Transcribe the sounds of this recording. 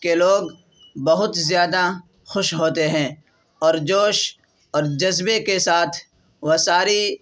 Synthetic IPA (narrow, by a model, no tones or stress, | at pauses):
keloːɡ | bɐɦʊt̪zjaːd̪a | xʊʃɦoːt̪eɦɛ̃ː | ɔːɾd͡ʒoːʃ | ɔːɾd͡ʒɐzbekesaːt̪ʰ | ʋɐsaːɾi